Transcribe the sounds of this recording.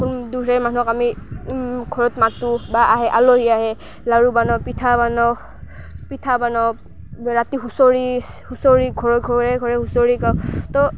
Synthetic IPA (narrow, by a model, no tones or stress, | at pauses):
kunduɹɛmanuɔkami | ɡʱɔɹɔtmatubaʔaɦɛʔaloɦiaɦɛ | laɹubanɔpitʰabanɔ | pitʰabanɔ | ɹatiɦusoɹi | husoɹiɡʱɔɹɔɡʱɔɹɛɡʱɔɹɛhusoɹikatɔ